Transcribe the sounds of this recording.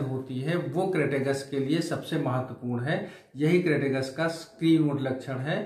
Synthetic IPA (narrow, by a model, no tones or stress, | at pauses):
ɦoːt̪iɦɛʋokɾeːʈeːɡəskeliesɐbsemɐɦət̪ːwəpuːɾnɦɛː | jɐɦikɾeːʈeːɡəskaskɾiːnoʈlɐkʃʰəɽ̃ɦɛː